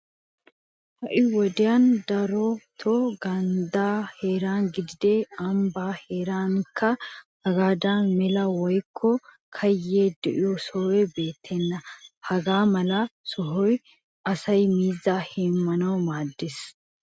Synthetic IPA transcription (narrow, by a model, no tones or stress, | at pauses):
hɐʔɪwɔd̪ɪjand̪ɐɾɔt̪ʰɔɡɐnd̪aːheːɾaːnɡɪd̪ɪd̪ɛɐmbaːheːɾaːŋkʰːɐhɐɡaːd̪anmɛlɐwɔjkʰːɔ | kʰɐjːeːd̪ɛʔɪjɔsoːwɛbeːt̪ʰːɛnːɐhɐɡaːmɐlɐsɔɦɔj | ʔɐsɐjmiːzːaːhɛmːɐnɐwmaːd̪ːes